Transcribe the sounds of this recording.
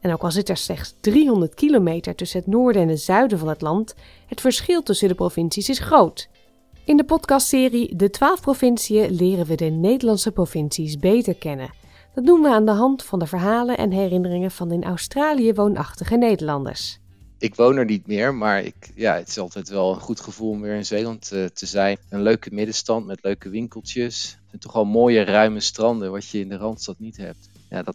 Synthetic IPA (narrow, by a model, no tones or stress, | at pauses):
ɛnowkɑlˠsɪtɛɹslɛχtsdriɦɔndəɹtkilowmejtəɹtɵsənɦətnʊːɹdəɛnətz̥œɥdəvɑnɦətlɑnt | ɦətfəɹsχɪlˠtɵsəndəprovɪnsisɪsχrowt | ɪndəpɔtkɑstsɪːridətʋaːlˠfprovɪnsiəlɪːrənʋədənejdəlɑntsəprovɪnsisbejtəɹkɛnə̰ | d̥ɑt̚dumʋəaːndəɦɑntfɑndəvəɹɦaːlənʔɛ̰nɦɛrɪnərɪŋəvɑnɪnʔœ̰wstraːlijəʋownʔɑ̰χtəχənejdəɹlɑndə̰ɹs | ɪkʋownɛɹnitmɪːɹmaːɹɪ̰kjaːətɪ̥sɑlˠtɛjtʋɛlˠənχutχəvulˠɔmʋɪːɹɪnzejlɑnttʰəzɛjnənløɥkəmɪdəstɑntmɛtløɥkəʋɪŋkəlˠtəsɛntɔχɑlˠmoːjərœɥməstrɑndəʋɑtjəɪndərɑntstɑtnitɦɛ̰p̚t | ja̰ːdt